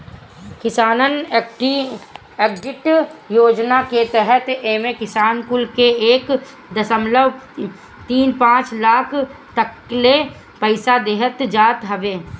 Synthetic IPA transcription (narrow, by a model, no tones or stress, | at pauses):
kɪsaːnənʈi | ekɖɪʈjoːd͡ʒnaket̪ɛɦɛt̪eːmekɪsaːnkʊlkeeːk | d̪əsəmləʋ | t̪iːnpãːt͡ʃlaːkʰ | t̪əkː | le | pəɪsad̪eːɦət̪d͡ʒaːt̪ɦəʋeː